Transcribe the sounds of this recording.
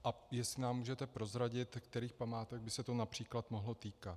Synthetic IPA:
ʔajɛslɪnaːmːuːʒɛt̪ɛpɾo̞zɾaɟɪt̪kt̪ɛɾiːxpamaːt̪ɛɡ̚bɪsɛt̪o̞napr̝̥iːklat̪mo̞ɦlo̞t̪iːkat̪

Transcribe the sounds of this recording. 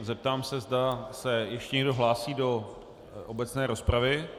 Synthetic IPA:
zɛp̚t̪aːmsɛzdasɛjɛʃcɛɲɛɡdo̞ɦlaːsiːdo̞ | ʔobɛt͡snɛːɾo̞spɾavɪ

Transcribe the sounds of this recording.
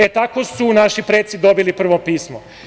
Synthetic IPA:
et̪ako̞sunaʃipɾeːt̪sid̪o̞bilipr̩ʋo̞piːsmo

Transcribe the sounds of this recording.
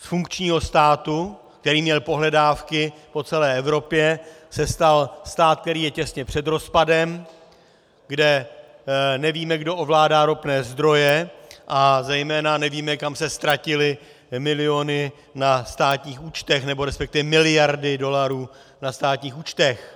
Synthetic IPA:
sfuŋkt͡ʃɲiːɦo̞st̪aːt̪u | k̚t̪ɛɾiːmɲɛlpo̞ɦlɛdaːfkɪpo̞t͡sɛlɛːʔɛvɾo̞pjɛ | sɛst̪alst̪aːt̪̚k̚t̪ɛɾiːjɛcɛsɲɛpr̥ɛd̪ɾo̞spadɛm | ɡdɛ | nɛviːmɛɡdo̞ʔovlaːdaːɾopnɛːzd̪ɾo̞jɛʔazɛjmɛːnanɛviːmɛkamsɛst̪ɾacɪlɪ | mɪlɪjo̞nɪ | nast̪aːt̪ɲiːxuːt͡ʃt̪ɛxnɛbo̞ɾɛspɛkt̪ɪvɛmɪlɪjaɾdɪdo̞laɾuː | nast̪aːt̪ɲiːxuːt͡ʃt̪ɛx

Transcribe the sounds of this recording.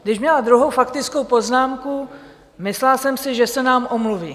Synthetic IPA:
ɡdɪʃmɲɛlad̪ɾuɦo̞wfakt̪ɪt͡sko̞wpo̞znaːmku | mɪslalsɛmsɪʒɛsɛnaːmʔomluviː

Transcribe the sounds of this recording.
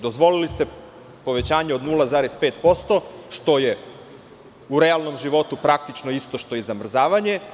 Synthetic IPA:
d̪o̞zʋo̞lilist̪e | po̞ʋe̞t͡ɕaːɲeo̞d̪nulˠazaːɾespe̞ːt̪po̞st̪o̞ʃt̪o̞je̞ | uɾealˠno̞mʒiʋo̞t̪upɾakt̪it͡ʃnoist̪o̞ʃt̪o̞jezamr̩zaːʋaɲe̞

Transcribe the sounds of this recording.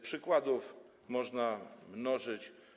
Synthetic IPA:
pʂɘkwad̪uf | mɔʐnamnɔʐɘt͡ɕ

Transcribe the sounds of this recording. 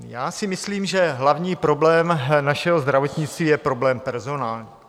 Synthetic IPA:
jaːsɪmɪsliːmʒɛɦlavɲiːpɾo̞blɛːmnaʃɛɦozd̪ɾavo̞t̪ɲɪt͡st̪viːjɛpɾo̞blɛːmpɛɾzo̞naːlɲiː

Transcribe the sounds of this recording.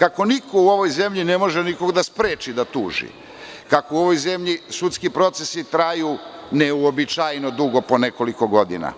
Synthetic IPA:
kako̞nikouo̞ʋo̞jze̞mʎine̞mo̞ʒeniko̞ɡd̪aspɾe̞ːt͡ʃid̪at̪uːʒḭ | kakouo̞ʋo̞jze̞mʎisut̪skipɾo̞t̪sesit̪ɾajuːneuobit͡ʃajno̞d̪uɡo̞po̞ne̞ko̞liko̞ɡo̞d̪ḭna̰

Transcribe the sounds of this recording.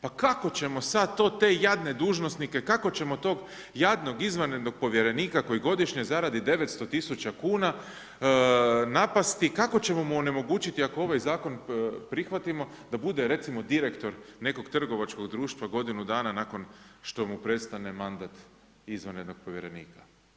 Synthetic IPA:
pakako̞t͡ɕe̞mo̞sad̪̚t̪o̞ːt̪e̞ːjad̪ne̞d̪uːʒnosnike̞kako̞t͡ɕe̞mo̞t̪o̞ːɡ | jad̪no̞ɡizʋane̞d̪no̞ɡ̥̚po̞ʋje̞ɾe̞niːkako̞jiɡo̞d̪iʃɲezaɾad̪id̪e̞ʋe̞t̪st̪o̞t̪isut͡ɕakuːna | napast̪ikako̞t͡ɕe̞mo̞muone̞mo̞ɡuːt͡ɕit̪iakoo̞ʋajzaːko̞npɾixʋat̪imo̞d̪abud̪e̞ɾe̞t̪simo̞d̪iɾekt̪o̞ɾne̞ko̞ɡt̪r̩ɡo̞ʋat͡ʃko̞ɡd̪ɾuːʃt̪ʋaɡo̞d̪inud̪aːnanako̞nʃt̪o̞mupɾe̞t̪st̪ane̞mand̪at̪ | izʋaned̪no̞ɡ̚po̞ʋjeɾe̞nḭːkḁ

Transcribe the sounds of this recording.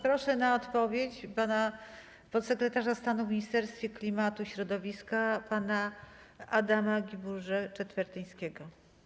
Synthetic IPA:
pɾɔʂɛnaɔt̪pɔvʲjet͡ɕpana | pɔsːɛkɾɛt̪aʐast̪anuvʲmʲiɲist̪ɛɾst̪fʲjɛklʲimat̪uɕɾɔd̪ɔvʲiskapanaʔad̪amaɡʲibuʐɛt͡ʂɛt̪fɛɾt̪ɘj̃skʲɛɡɔ

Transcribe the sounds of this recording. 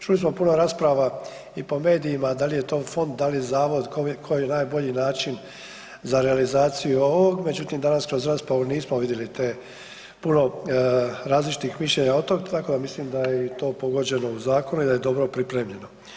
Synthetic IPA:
t͡ʃulismo̞puno̞ɾaːspɾaʋa | ipo̞me̞ːd̪ijimad̪alije̞t̪o̞ːfo̞nd̪̚d̪alijezaːʋo̞d̪kokʰojijenaːjbo̞ʎinaːt͡ʃin | zaɾe̞alizaːt̪sijuo̞ʋo̞ɡme̞d͡ʑut̪imd̪anaskɾo̞zɾaːspɾaʋuniːsmoʋid̪jelit̪e | puno̞ | ɾaːzlit͡ʃi̥t̪ixmiʃʎe̞ɲaot̪oɡt̪ako̞d̪amislimd̪ajet̪o̞ːpo̞ɡo̞d͡ʑe̞no̞uzaːko̞nuid̪aje̞d̪o̞bɾo̞pɾipɾe̞ːmʎe̞no̞

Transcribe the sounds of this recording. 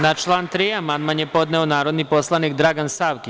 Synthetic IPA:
nat͡ʃlˠaːnt̪ɾijamanmanjepo̞d̪nɛonaːɾo̞d̪nipo̞slˠanikd̪ɾaɡansaːʋki

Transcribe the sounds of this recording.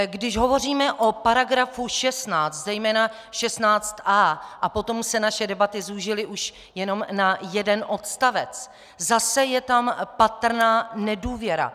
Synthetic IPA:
ɡdɪʒɦo̞vo̞r̝iːmɛʔo̞paɾaɡɾafuʃɛst̪naːt͡st̪zɛjmɛːna | ʃɛst̪naːt͡st̪ʔaːʔapo̞t̪o̞msɛnaʃɛdɛbat̪ɪzuʒɪlɪʔuʃ | jɛno̞mnajɛdɛnʔo̞t̪st̪avɛt͡s | zasɛjɛt̪ampat̪r̩naːnɛduːvjɛɾa̰

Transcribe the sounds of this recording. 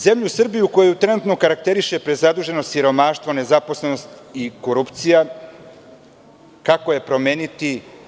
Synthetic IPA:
ze̞mʎusr̩bijuko̞jojut̪ɾe̞nut̪no̞kaɾak̚t̪e̞ɾiʃe̞pɾezad̪uʒe̞nosiɾo̞maʃt̪vo̞ne̞zapo̞sleno̞st̪ | iko̞ɾupt̪sija | kakoje̞pɾo̞meːnit̪i

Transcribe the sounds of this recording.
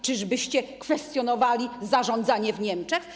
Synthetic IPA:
t͡ʂɨʐbɘɕt͡ɕɛkfɛst̪jɔnɔvalʲizaʐɔnd̪zaɲɛvɲɛmt͡ʂɛx

